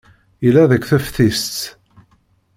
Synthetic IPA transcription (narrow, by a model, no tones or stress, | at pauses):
ilːæðəkʷːθæfθist͡s̪